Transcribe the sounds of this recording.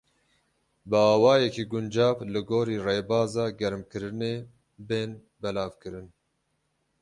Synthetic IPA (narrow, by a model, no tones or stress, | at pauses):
bɨɑːwɑːjɛkiːɡʊnd͡ʒɑːvlɨɡoːɾiːreːbɑːzɑːɡɛɾɨmkɨɾɨneː | beːn | bɛlɑːvkɨɾɨn